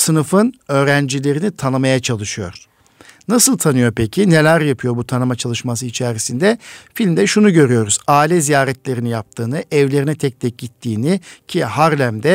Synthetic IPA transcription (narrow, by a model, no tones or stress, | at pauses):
sɯnɯfɯnø̞ːɾænd͡ʒilʲe̞ɾinit̪ʰanɯmajat͡ʃʰalˠɯʃɯjo̞̰ɾ̥ | nasɯlˠt̪ʰanɯjo̞pʰecʰine̞lʲæɾjapʰɯjo̞ɾbut̪ʰanɯmat͡ʃʰalˠɯʃmas̬ɯit͡ʃʰɛɾisind̪ɛfilʲmd̪ɛʃunuɟø̞ɾyjo̞ɾuz̥aːilʲɛzijaːɾɛt̪lʲe̞ɾinijap̚t̪ʰɯːnɯʔɛvlʲe̞ɾinɛt̪ʰɛc̚t̪ʰɛc̚ɟit̪ʰːiːnicʰihaɾlʲæmd̪ɛ